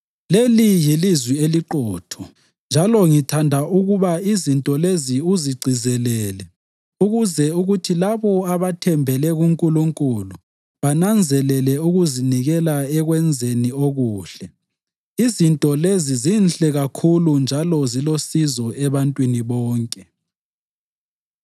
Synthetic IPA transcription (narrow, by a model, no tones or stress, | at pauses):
lelijilizwieliǃɔːtʰɔ | nd͡ʒʱalɔŋitʰandʱaʔuɣuβaizintʼɔleziuziɡ͡ǀʱizɛlɛːlɛ | uɣuzɛuɣutʰilaβɔaβatʰɛmbʱɛlɛɣuŋkʼuluŋkʼulu | βanand͡zʱɛlɛlɛuɣuziniɣɛlaɛɣwɛnd͡zʱenioɣuːɬɛ | izintʼɔlezizinɬɛɣakʰulund͡ʒʱalɔzilosizɔɛβantʼwiniβɔːŋkʼɛ